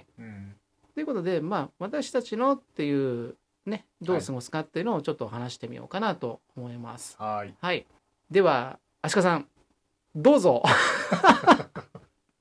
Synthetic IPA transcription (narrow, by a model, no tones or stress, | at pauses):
t̪ːo̞jɯ̟ko̞t̪o̞d̪e̞maːβat̪aɕi̥t̪at͡ɕino̞t̪ːe̞jɯ̟ː | ne̞ | d̪o̞ːsɨɡo̞sɨ̥kat̪ːe̞jiɯ̟noːt͡ɕo̞t̪ːo̞ɦanaɕi̥t̪e̞mʲḭjo̞̰ːkanat̪o̞omo̞ima̰sɨ̥hai | d̪e̞βaː | ɕi̥kas̬ãŋ | d̪o̞ːzo̞